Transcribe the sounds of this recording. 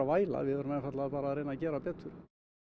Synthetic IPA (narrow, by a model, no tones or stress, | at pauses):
avaːjla̰ðvɪðœɾʏmɛnfat̪lapaːɾaːɾeːjnacɛːɾapɛːt̪ʏɾ̥